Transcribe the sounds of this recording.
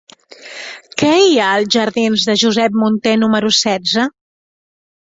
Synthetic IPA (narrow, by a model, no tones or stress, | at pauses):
kɛiaːlˠʒəɾðinzðəʒuzɛp̚munt̪enuməɾusɛdd͡zə